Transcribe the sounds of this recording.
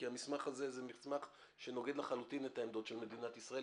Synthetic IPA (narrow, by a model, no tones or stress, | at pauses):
iamismaχazezemismaχ | ʃeno̞ɡe̞d̪leχalut̪inetaemd̪o̞tʃe̞lme̞d̪inat̪isʁae